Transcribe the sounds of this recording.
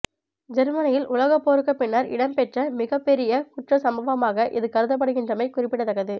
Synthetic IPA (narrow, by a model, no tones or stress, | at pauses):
d͡ʒɛɾmɐnɐjɪlʔʊlɐɣɐpːoːɾɯkːɐpːɪnːaɾɪ̰ɽɐmpɛʈrɐmɪɣɐpːɛɾɪjɐkʊʈrɐsɐmbɐʋɐmaːɣɐʔɪðɯkɐɾɯðɐp̬ːɐɽɯɣɪndrɐmɐɪkʊrɪpːɪɽɐt̪ːɐɣɐðɯ